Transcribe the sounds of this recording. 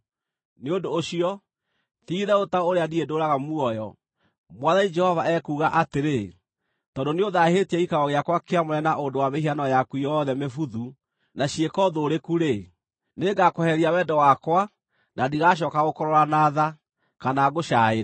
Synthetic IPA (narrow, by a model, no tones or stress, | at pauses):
neondoːɕiɔ | θiːðɛotaoɾeadiedoːɾaɣamuɔjɔ | mwaðaid͡ʒɛhɔvaɛkuːɣaʔateɾe | tɔːndoneoðahetiɛikaɾɔɣeakwakeamɔɾɛnaʔondowamehianɔjakuijɔðɛmefuðu | naɕiekɔðoɾekuɾe | neɡakohɛɾiawɛːdɔwakwa | nadiɣaʃ̬ɔːkaɣokɔɾɔɾanaːða | kanaɣoʃaeɾa